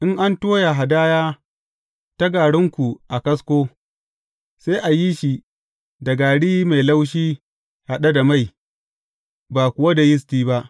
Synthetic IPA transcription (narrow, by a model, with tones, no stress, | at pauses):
ʔɪ˦ŋʔa˦ntoː˦ja˨ɦa˨daː˦jaː˦ | ta˦ɡaː˨ɽɪ˦ŋkʷu˨ʔa˨kɐ˦skʷoː˦ | se˦ʔa˨ji˦ʃi˨ | dɐ˨ɡaː˨ɽiː˦ma˨jla˦wʃ̬iː˦ | ha˨ɗa˦da˨ma˦˨j | baː˨kʷʊ˨wa˦da˨jɪ˦s̬tiː˦ba˦ʔ